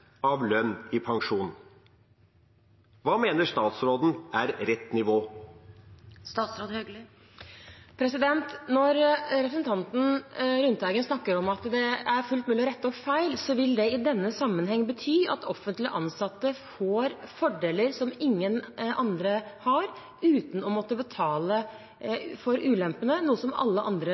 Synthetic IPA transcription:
ɑʋlœnːɪpʰɑŋʂuːn̩ | ʋɑːmeːnəʂt̪ɑːt̪sɾoːd̪n̩æɾɾɛt̪ːnɪʋoː | st̪ɑːt̪sɾoːd̪ | pʰɾɛsɪd̪ɛnt̪nɔɾɾɛpʰɾəsn̩t̪ʰɑnt̪n̩ɾʉnt̪æɡənsnɑkːəɾɔmɑt̪d̪ɛæɾfʉlt̪mʉːlɪɾɛt̪ːɔfæɪlsɔʋɪld̪ɛɪd̪ɛnːəsɑmːənhɛŋːbət̪ʰyːɑ̰t̪ɔfənt̪lɪəʔɑnsɑt̪ːəfoːɾfɔɖeːləɾsɔmɪŋːənʔɑnd̪ɾəhɑɾ | ʉːt̪n̩ɔmɔt̪ːəbət̪ʰɑːlə | fɔɾʔʉːlɛmpənənuːəsɔmɑ̰lːəʔɑ̰nd̪ɾə

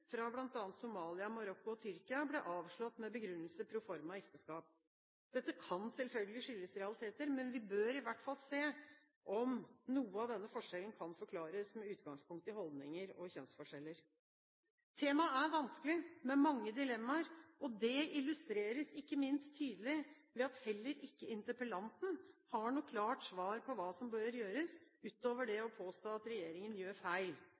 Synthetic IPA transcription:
fɾɑblɑnt̪ɑːnt̪sʊmɑːlɪɑmɑɾɔkːʊɔt̪ʰʏɾkɪɑblɛʔɑːʋʂɭɔt̪ːmɛbəɡɾʉnːəlsəpʰɾʊfɔɾmɑɛkt̪əskɑːp̚ | d̪̥ɛt̪ːəkʰɑnsɛlfœlɡəlɪʂʏlːəsɾɛɑlɪt̪ʰeːt̪əɾmɛnʋɪbøːɾɪʋæʈːfɑlseː | ʔɔmnuːəɑʋd̪ɛnːəfɔʂɛlən̩kʰɑnfɔɾkʰlɑːɾəsmɛʉːt̪ɡɑŋspʊŋkt̪ɪhɔld̪nɪŋəɾɔçœnsfɔʂɛlːəɾ | t̪ʰeːmɑæɾʋɑnskəlɪmɛmɑŋːəd̪ɪlɛmːɑɾɔd̪ɛɪlʉst̪ɾeːɾəsɪkːəmɪnst̪ʰːyːd̪əlɪ | ʋɛɑt̪hɛlːəɾʔɪkːəɪnt̪əpəlɑnt̪n̩hɑɳuːkʰlɑːʈsʋɑːɾpʰɔʋɑːsɔmbøːɾjøːɾəsʉːt̪oːʋəɖɛɔpʰoːst̪oːɑt̪ɾɛjeːɾɪŋənjøːɾfæɪl

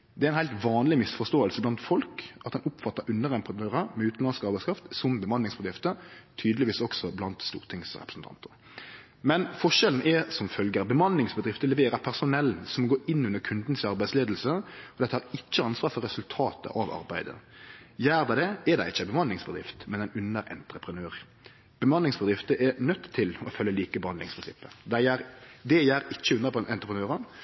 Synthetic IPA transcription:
d̪ɛæɾɪnhæɪlt̪ʋɑːnlɪmɪsfɔst̪oːəlsəblɑnt̪fɔlkɑt̪̚d̪ɛnʊpfɑt̪ːəɾʉnːəɾʁɛmpʁnøːʁəmɛʉːt̪n̩lɑnskɑɾbæɪskʰɾɑft̪sɔmbəmɑnːɪŋsbəd̪ɾɪft̪ət̪ʰyːd̪əlɪʋiːsɔksɔblɑnt̪st̪ṵːʁt̪ʰɪŋsʁɛpɾəsn̩t̪ʰɑ̰nt̪ʰəɾ | mɛnfɔʃɛln̩ʔɛsɔmfœlɡəɾbəmɑnlɪŋsbəd̪ɾɪft̪əlɛʋeːɾɑpʰæʁsʊnɛln̩sɔmɔɡoːʔɪnːʉnːəɾkʰʉnd̪n̩sɑɾbæɪdsleːd̪l̩səɔd̪ɛt̪ːəhɑɾɪt͡ʃːəɑnsʋɑːfɔɾʁɛsʉlt̪ʰɑːt̪ə̰ʔɑʋɑ̰ɾbæɪd̪ə̰jæːɾd̪ɑd̪ɛɛd̪æɪɪt͡ʃːəbəmɑnlɪŋsbəd̪ɾɪ̰ft̪mɛnæɪnʉnəɾɛ̰nt̪ɾəpʰʁənøːʁ | b̥əmɑnlɪŋsbəd̪ɾɪft̪əʔɛnœt̪ːtʰːɪlɔfœlːəliːkəbəhɑnlɪŋspʰɪnsɪ̰pːəd̪æɪjæːɾd̪ɛjæːɾɪt͡ʃːəʉnːəpɛnt̪ʁəpʁənøːɾən

